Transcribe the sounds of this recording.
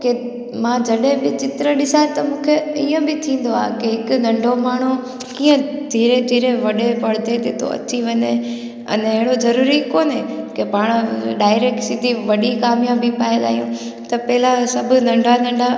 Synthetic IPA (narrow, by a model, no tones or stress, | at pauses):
ke | mãd͡ʑɐɗebɪt͡ɕɪt̪ɪɾəɗɪsaːet̪ɐmũːkʰeiːə̃bɪt̪ʰĩːn̆d̪oa̰ːkeɦɪkʊnɐ̃ɳɖʱomaːɳ̤u | kiːə̃d̪ʱiːɾed̪ʱiːɾeʋɐɗeʋɐɽ̤d̪ed̪eːt̪ʰo̰ɐ̰t͡ɕiʋɐɲe | ɐ̰nɪɦɪɽozɐɾuːɾikoːnɦekepaːɽ̃əɗaːɪɾeːkʈsɪd̪ʱiʋɐɗikaːmjaːbɪpaːed̪a̰ːɦijũt̪ɐpɐɦɪlasɐbʱʊ̆nɐ̃ɳɖʱanɐ̃ɳɖʱa